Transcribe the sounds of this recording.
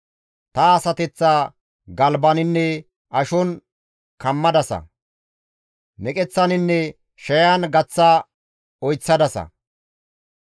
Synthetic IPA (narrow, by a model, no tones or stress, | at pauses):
t̪ɐːsɐt̪ɛt͡sːaː | ɡɐlbɐnɪnːɛ | ʔɐʃɔn | kɐmːɐd̪ɐsɐ̰ | nɛkʼɛt͡sːɐnɪnːɛ | ʃɐjanɡɐt͡sːa | ɔjt͡sːɐd̪ɐsɐ̰